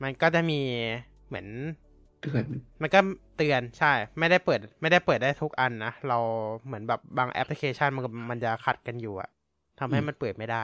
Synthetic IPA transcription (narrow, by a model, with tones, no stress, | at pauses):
ma˧nkɔː˥˩t͡ɕa˨˩miː˧ | mɯ˩˦ən | t̪ɯ˧ənma˧nkɔː˥˩t̪ɯ˧ənt͡ɕʰa˥˩jma˥˩jda˥˩jpɤː˨˩t̪̚ma˥˩jda˥˩jpɤː˨˩t̪̚daː˥˩jt̪ʰu˦˥k̚ʔa˧nːa˦˥ɾa˧wmɯ˩˦ənbɛː˨˩p̚baː˧ŋʔɛ̰˦˥pli˧˥kʰeː˧t͡ɕʰa˥˩nma˧˥˩ma˧nt͡ɕa˨˩kʰa˨˩t̪̚ka˧njuː˨˩ʔa̰˨˩ʔ | t̪ʰa˧mɦa˥˩jma˧npəɤː˨˩t̪̚ma˥˩jdaː˥˩j